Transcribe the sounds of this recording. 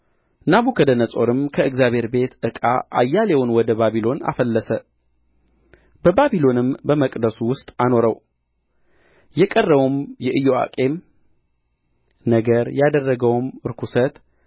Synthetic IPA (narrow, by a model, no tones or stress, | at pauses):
naβukʰəd̪ənəsʼo̞ɾɨmkʰəʔɨɡzjaβʱhe̞ɾbe̞t̪ʔɨkʼa̰ʔajːalewʊnwɔd̪əbaβilo̞na̰fəlːəsə | bəbabilo̞nɨmbəməkʼd̪əsuwʊst̪ʼano̞ɾəw | jɛkʼərːəwumjɛʔɨjoa̰kʼe̞m | nəɡəɾjad̪ərːəɡəwmɾkʰusət̪